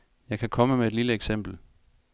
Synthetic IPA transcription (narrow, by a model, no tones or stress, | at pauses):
jɑ̈ɪkʰækʰɒ̽məmee̝d̥liləeɡ̥sem̰b̥l̩